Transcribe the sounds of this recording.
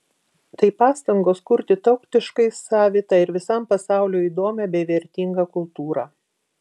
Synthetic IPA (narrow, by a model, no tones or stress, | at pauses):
t̪ɐɪpɑːst̪ɐŋɡoːskʊɾʲt̪ʲɪt̪ɐʊkt̪ʲɪʃkɐɪsɑːʋʲɪt̪ɑːɪɾʋʲɪsɐˑmpɐsɑˑʊlʲoːiːd̪oːmʲɛbʲɛɪʋʲɛɾʲt̪ʲɪŋɡɑkʊlˠt̪uːɾɑː